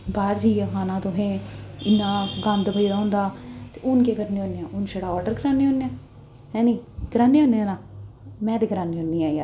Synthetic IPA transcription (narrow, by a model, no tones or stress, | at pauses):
baːɾd͡ʒiːaːkʰaːnãːt̪ʊɦẽːɪnːãːɡə̃nd̪bəiːd̪aːɦʊ̃ːnd̪aːt̪eːʊnkeːkəɾneːɦõːnjãːʔʊnʃəɽaːɔːɾɖəɾkəɾaːnːeːɦõːnːejãː | ɦɛ̃ːnĩːkəɾaːnːeːɦõːneãːnãːmɛ̃ːt̪eːkəɾaːniːɦoːniːaːia̰ː